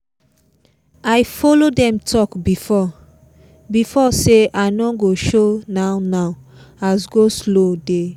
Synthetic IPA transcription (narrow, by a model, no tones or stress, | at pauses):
aɪfɔlodɛ̃mtʰɔkbifɔ | bifɔseʔanɔɡoʃonaʊnaʊ | asɡoslode